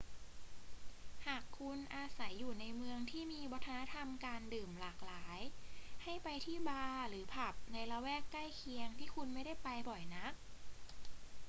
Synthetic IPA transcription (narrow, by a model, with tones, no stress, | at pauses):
haː˨˩kʰːu˧nʔaː˧sa˩˦jːuː˨˩na˧jmɯ˧əŋt̪ʰiː˥˩miː˧wɔː˧˥t̪ʰa˧na˦˥t̪ʰa˧mkaː˧ndɯː˨˩mlaː˨˩k̚laː˩˦jha˥˩jpa˧jt̪ʰiː˥˩baː˧ɾɯː˩˦pʰa˨˩p̚na˧jla˧wɛː˥˩kːa˥˩jkʰi˧əŋt̪ʰiː˥˩kʰu˧nma˥˩jda˥˩jpa˧jbɔ˨˩jna˦˥k̚